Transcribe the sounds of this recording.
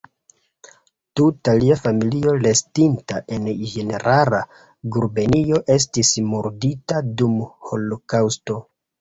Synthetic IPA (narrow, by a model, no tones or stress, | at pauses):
tutaliafamilio̞le̞stintaʔe̞nd͡ʒe̞ne̞ɾʔala | ɡuɾbe̞nio̞ʔe̞s̬tismoɾditadumho̞lo̞kawsto̞